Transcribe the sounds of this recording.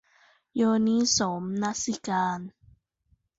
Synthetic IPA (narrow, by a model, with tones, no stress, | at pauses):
jɔː˧ni˦˥so˨˦mna˦si˧˨kaː˧n